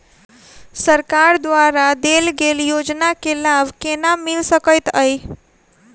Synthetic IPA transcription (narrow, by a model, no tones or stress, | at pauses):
səɾkaɾd̪waɾad̪elɡeljod͡ʒnakelabkenamilsəkəjt̪əj